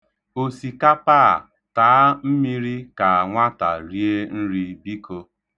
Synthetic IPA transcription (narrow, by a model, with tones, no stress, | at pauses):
o˨si˨ka˦paː˦˨ | taː˨˦m̩˦mi˦ɾi˦ka˨a˨ŋʷa˦ta̰˨ɾi˦e˦n̩˦ɾi˦bi˦kʰo˦